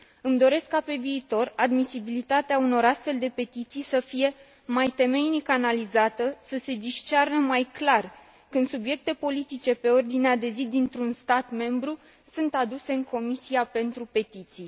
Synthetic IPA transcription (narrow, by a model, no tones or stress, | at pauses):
ɨmd̪o̞ɾe̞skːape̞viːt̪o̞rad̪misibilit̪at̪eauno̞ɾast̪fe̞ld̪e̞pe̞t̪it̪sijsəfije̞ | majt̪e̞me̞jnikəanalizat̪əsəse̞d̪iʃt͡ʃarnəmajklar | kɨnd̪subje̞k̚t̪e̞po̞lit̪it͡ʃe̞pe̞o̞rd̪inead̪e̞zid̪int̪ɾunst̪at̪me̞mbɾu | sɨnt̪ad̪use̞ɨŋkʰo̞misiape̞nt̪ɾupe̞t̪it̪sij